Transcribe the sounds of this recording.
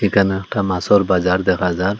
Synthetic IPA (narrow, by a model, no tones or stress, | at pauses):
ikʰanekʈamasɔɾbazaɾd̪ɛkʰazaɾ